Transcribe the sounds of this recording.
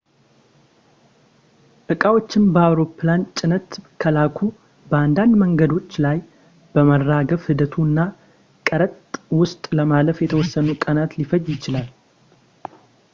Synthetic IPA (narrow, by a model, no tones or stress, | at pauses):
ʔɨkʼawo̞t͡ʃːɪnbəawɾo̞plant͡ʃʼɪnət̪kʰəlakʰu | bəand̪and̪məŋɡəd̪o̞t͡ʃːlaj | b̥əmərːaɡəfhɨd̪ət̪ʰuɨnːa | kʼəɾət̪ʼwʊst̪ʼləmaləfjɛt̪ʰəwɔsːənukʼənat̪lifəjjɪt͡ʃɪlal